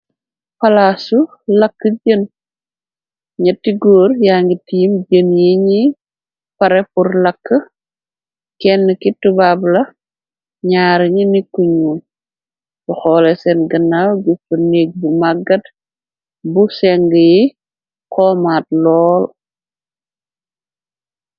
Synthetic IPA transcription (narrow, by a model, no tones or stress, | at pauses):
pɐlasu | lɐkːəɟən | ɲɐtːiɡoːɾjaŋɡitiːmd͡ʒənjiɲi | pɐɾɛpuɾlɐkːə | kɛnːəkitubablɐ | ɲaːɾɲinikːuɲu | bɔxɔlɛsɛnɡənːawɡufəneɡ̚bumaɡɐd | busɛŋɡəji | kɔːmaːt̚lɔːl